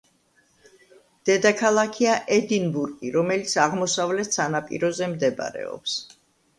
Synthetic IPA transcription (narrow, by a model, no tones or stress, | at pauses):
d̪̥ɛd̪akʰalˠakʰiaʔɛd̪inbuɾɡʼiɾɔmɛlit̪sʰaʁmɔsavlɛt̪sanapʼḭɾɔzɛmd̪ɛb̰ɾɛ̰ɔ̰ps